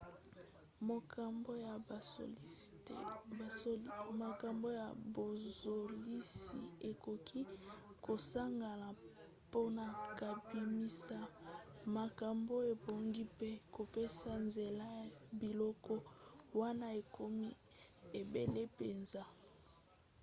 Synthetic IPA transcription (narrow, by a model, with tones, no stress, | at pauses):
mo˨ka˨mbo˦ja˨o̰˨˦˨ | ma˨ka˨mbo˦ja˨bo˨zo˨li˦sḭ˨e˨ko˨kʰi˦ko˨sa˦ŋɡa˨la˨ | po˦na˨ka˨bi˨mi˦sa˦ma˨ka˨mbo˦e˨bo˨ŋɡi˦pe˦ko˨pe˦sa˨nze˨la˦a˨bi˨lɔ˦kɔ˦wa˦na˦e˨kʰo˦mi˦ | e˨be˨le˦pe˨nza˦